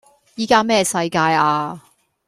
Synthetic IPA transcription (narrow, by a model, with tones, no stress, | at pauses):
jiː˥kaː˥mɛː˥˩sɐ˧jkaː˧jaː˧